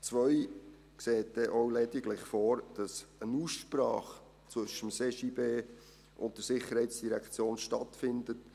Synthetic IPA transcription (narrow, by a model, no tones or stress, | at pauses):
t͡sʋœʏ | kseːt̚d̥ɛʔoʊlɛdɪɡlɪχfɔːɾd̥ɑsənuːsʃpɾɑ̰ːχ | t͡svɵʃəmseːʃiːbeː | ʔʊntdəɾsɪχəɾhɛɪtsd̥iɾɛkt͡sjoːnʃtɑtfɪndət